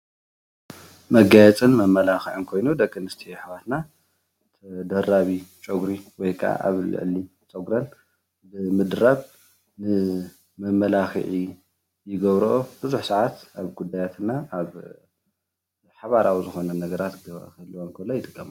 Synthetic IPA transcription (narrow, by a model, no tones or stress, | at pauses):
mɐɡajɛt͡sʼɨnmɐmːɐlaxɨʕɨnkʰo̞jnud̪ɐkʼːɨnɨst̪ʰijħβat̪na | t̪ʰɐd̪ɐraβit͡ʃʼoɡɾiwɔjkʰa̰ʔa̰βlɨ̰ʕli | t͡sʼɐɡɾɐn | bɨmɨd̪ɾaβ | nɨ | mɐmɐlaxɨ̰ʕi | jɪɡɐβɾoʔobɨzuħsaʕat̪aβɡud̪ajat̪ʰɨnːaaβ | ħaβaɾawzɨxo̞nɐnɐɡɐɾat̪ɡɐ̰kʰɐlːuwonkʰɐlːojɪt̪ʼɨkʼːɐma